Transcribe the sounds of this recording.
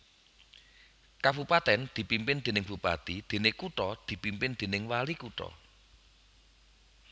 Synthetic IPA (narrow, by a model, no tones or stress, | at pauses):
kab̥upat̪ɛnd̪̥i̤pimpɪnd̪̥e̤nɪŋb̥upat̪id̪̥e̤nɪkuʈɔd̪̥i̤pimpɪnd̪̥e̤nɪŋwalikuʈɔ̰